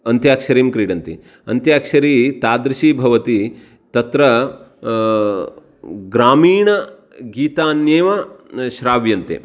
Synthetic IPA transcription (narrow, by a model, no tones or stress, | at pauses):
ɐnt̪jaːkʃɐɾiːmkɾiːɖɐnt̪i | ɐnt̪jaːkʃɐɾiːt̪aːd̪ɾiʃiːbʱɐʋɐt̪i | t̪ɐt̪ɾɐ | ɡɾaːmiːɳɐ | ɡiːt̪aːnjeːʋɐʃɾaːʋjɐnt̪ḛː